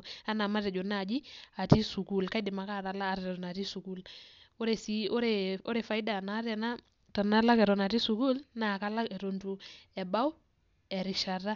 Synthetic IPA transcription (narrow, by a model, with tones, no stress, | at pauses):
a˦na˨ma˦tɛ˨d͡ʒo˨na˦˨d͡ʒi˦a˨ti˦su˨ku˦˨lka˦dɪ˨ma˨ka˦˨ɾa˨laː˦ɾɛ˨ɾɔ˨na˨ti˦su˨ku˦lo˦ɾe˨si˦o˦ɾe˨o˦ɾɛ˨fa˨jda˨na˨˦ɾɛ˨na˦ | ta˨na˦la˦kɛ˨ɾɔ˨na˨ti˦su˨ku˦lna˨ka˦la˦kɛ˨ɾo˨ntu˨ɛ˨ba˦w | ɛ˨ɾi˨ʃa˨ra˦